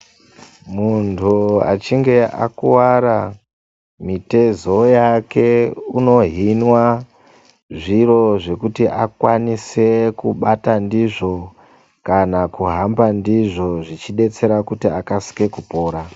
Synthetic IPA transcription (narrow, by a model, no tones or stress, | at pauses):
muntʰua̰t͡ʃiŋɡe̞ʔa̰kuwaɾa | mite̞zo̞jake̞uno̞ɦinwa | ʐiro̞ʐe̞kutiʔakwanise̞kuɓatandiʐo̞ | kanakuɦambandiʐo̞ʐit͡ʃiɗe̞t͡se̞ɾakutiakasi̥ke̞kupo̞ːɾa